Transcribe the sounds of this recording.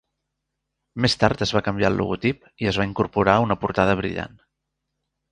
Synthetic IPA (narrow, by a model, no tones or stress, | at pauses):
mest̪aɾt̪əzβakəmbjalˠlʔṵɣut̪ip | iəzβaiŋkuɾpuɾaunəpuɾt̪að̞əβ̞ɾḭʎa̰n